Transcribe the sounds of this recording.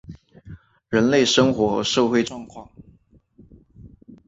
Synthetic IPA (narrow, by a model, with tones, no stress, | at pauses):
ɻə˧˥nle˥˩ɪʂə˥ŋxwɔ˧˥ʂo˥˧ʊxwe˥ɪʈ͡ʂwɑ˥˧ŋkʰwɑ˥˩ŋ